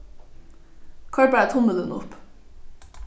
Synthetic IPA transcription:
kʰɑɹbæːt̪ʰʊməd̪ənʊ̰p

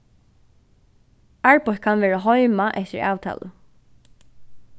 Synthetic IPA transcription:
aɹpɔkʰanʋɛːɹaɦɔjmaʔɛht̪ɪ̰ɹa̰ːwt̪ʰa̰ːlə̰

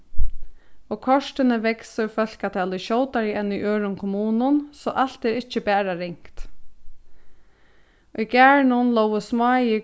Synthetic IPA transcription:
ɔːkʰɔʂt̪ɪnəʋɛksəfœlkat̪ʰɛːlʊʃɔwt̪aɾɪɛnːʊʔøːɹʊnkʰʊmuːnʊnsɔːʔal̥t̪ɛːɾɪht͡ʃːəbæːɾaɾɪŋkt̪ | ʔujkæɹɳʊnlowəsmɑːjɪ

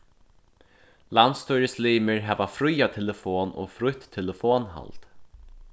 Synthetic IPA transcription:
lant̪st̪ɔjɾɪsliːmɪɹɦɛːʋafɾʊjat̪ʰɛləfoːnɔ̰ːfɾʊjht̪ʰːɛləfoːnɦa̰lt̪

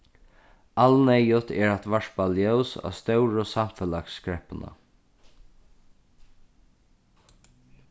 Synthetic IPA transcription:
alnɛjʊt̪ɛːɹat̪ʋaʂbaljœwsa̰st̪œwɹʊsamfɛlakskɹɛpənə̰

